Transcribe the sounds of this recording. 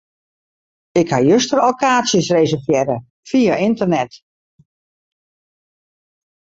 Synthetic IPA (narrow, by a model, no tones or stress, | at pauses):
ɪkhajøstərokaːsjəsrezərfjɛɾə | fijaʔɪntərnɛt